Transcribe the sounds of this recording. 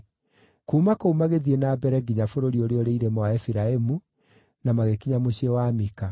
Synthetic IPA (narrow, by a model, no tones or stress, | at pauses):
kumakoumaɣeðienaːbɛɾɛɡiɲafoɾoɾioɾeoɾeiɾemɔaɛfiɾaemu | namaɣekiɲamoɕiewamika